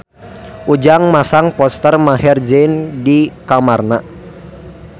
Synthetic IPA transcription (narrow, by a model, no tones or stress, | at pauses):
ʔud͡ʒaŋmasaŋpɔst̪ərmaɦɛrd͡ʒɛndikamarna